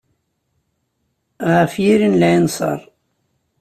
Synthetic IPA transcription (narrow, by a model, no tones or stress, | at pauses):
ʁəfjiɾinlæjənsˤɑ̰ɾˤ